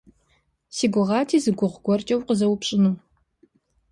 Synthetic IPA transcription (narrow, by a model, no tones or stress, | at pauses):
siːɡʷʊʁɑːtʰiːzɨɡʷʊʁɡʷɔrt͡ʃʼɐwqəzɐwʊpɕʼɪnɨm